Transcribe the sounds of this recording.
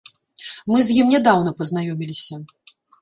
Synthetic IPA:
mɨzʲjimnʲɛd̪awnɐpɐznajɔmʲilʲisʲɐ

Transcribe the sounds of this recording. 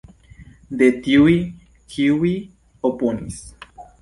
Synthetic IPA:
d̪et̪iwi | kʰiwi | oponḭs

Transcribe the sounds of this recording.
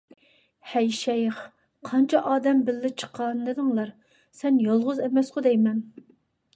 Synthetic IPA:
hɛjʃɛjχ | qʰɑnt͡ʃʰɛʔɑːd̪ɛmbɪlːɪt͡ʃʰə̥qʰːɑnːɨd̪ɨŋlˠɑɾ | sɛnjolˠʁʊzɛmɛsqʊd̪ɛjmɛn

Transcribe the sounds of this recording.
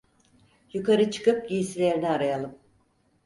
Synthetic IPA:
jukʰaɾɯt͡ʃʰɯ̥kɯp̚ɟijisilʲe̞ɾiniaɾajalˠɯm

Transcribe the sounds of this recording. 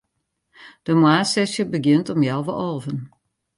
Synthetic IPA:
d̥əmwaːsɛsjəbəɡjɪntɔmjawʋəʔɔlˠvən

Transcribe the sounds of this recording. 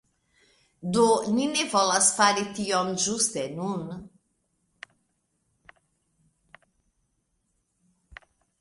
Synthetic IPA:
d̪oninevɔlasfaɾet̪iɔnʒust̪ɛnun

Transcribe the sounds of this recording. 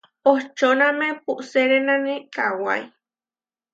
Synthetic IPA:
oht͡ʃonamepuʔseɾenanekawa̰j

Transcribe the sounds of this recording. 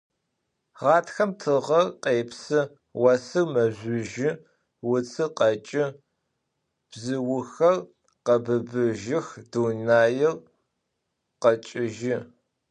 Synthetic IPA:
ʁɑːtʰxɐmtʰɨʁɐrqeːpsɨ | wɐsɨrmɐʒʷʊʒɪ | wʊt͡sʰɨqɐt͡ʃʼɪ | b̥zɨwʊxɐr | qɐbɨbɨʒɪxdunaːjɪr | qɐt͡ʃʼɪʒɪ

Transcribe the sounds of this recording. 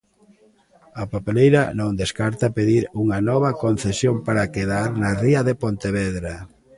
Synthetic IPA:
ɐpapelejɾɐnõŋd̪eskaɾt̪apeðiɾuŋɐnɔβ̞ɐkonθesjompaɾakeðaɾnɐriɐðepont̪eβɛðɾa

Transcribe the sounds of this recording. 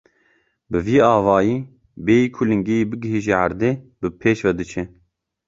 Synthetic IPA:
bɨviːɑːvɑːjiː | beːjiːkʰulɨŋɡejiːbɨɡɨɦiːʒeʕaɾd̪eːbɨpʰeːʃvɛd̪ɨt͡ʃʰɛ

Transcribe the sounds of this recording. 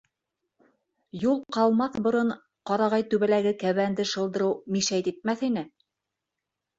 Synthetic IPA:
julˠqɑlˠmɑθbŏɾɤɴ | qɑɾɑʁɑjt̪ʉβælæɡɘkæβænd̪ɘʃɤ̆lˠd̪ɤ̆ɾɤwmiʃæjt̪it̪̚mæθinɘ

